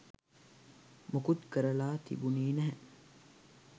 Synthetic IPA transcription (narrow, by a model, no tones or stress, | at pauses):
mukut̪kəɾɐlaːt̪ḭbuniːnɛɦɛ